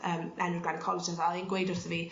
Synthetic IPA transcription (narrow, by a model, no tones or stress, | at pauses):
əːmʔɛnɪɡlanəkʰɔlˠɔsənvɛlˠinɡwejdʊrθəviː